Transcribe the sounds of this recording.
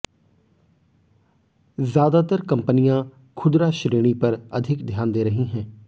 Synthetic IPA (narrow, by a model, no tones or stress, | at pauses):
zjaːd̪aːt̪əɾkəmpənɪjãː | kʰʊd̪ɾaːʃɾeːɽ̃iːpəɾəd̪ʱɪkd̪ʱjaːnd̪eːɾəɦĩːɦɛ̃ː